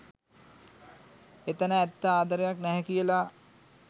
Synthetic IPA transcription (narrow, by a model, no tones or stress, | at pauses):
et̪ənəɛt̪ːəaːd̪aɾejaknɛɦɛkijəla